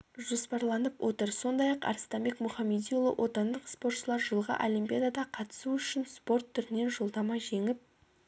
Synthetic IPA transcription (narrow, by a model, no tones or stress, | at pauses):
ʒo̞spɑɾlˠɑnəpwʔo̞t̪əɾso̞nd̪ɑjɑqɑ̰ɾst̪ɑmbe̞kmʊχɑmːed̪ijulˠə̰wʔo̞t̪ɑnd̪əqspo̞rt̪ʃəlˠɑɾʒəlˠʁə̰ʔolʲijmpʲijad̪ad̪ɑqʰɑt̪ə̥suʏʃɪnspo̞rt̪ʰːʏɾɪne̞nʒo̞lˠd̪ɑmɑʒe̞ŋɪp̚